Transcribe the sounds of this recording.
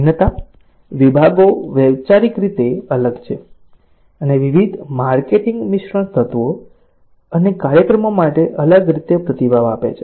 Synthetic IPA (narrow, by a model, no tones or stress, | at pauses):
nət̪a | ʋibʱaɡoʋjɛʋt͡ʃaɾikɾit̪eələɡt͡ʃʰe | əneʋiʋid̪ʱmaɾkeʈĩŋɡmiʃɾəɳt̪ʰət̪ʋo | ənekaɾjəkɾəmomaʈeʔələɡɾit̪epɾət̪ibʱaʋapḛt͡ʃʰe